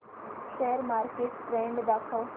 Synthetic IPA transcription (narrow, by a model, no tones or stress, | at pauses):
ʃeəɾmaːɾkeʈʈɾẽɳɖd̪aːkʰaʋ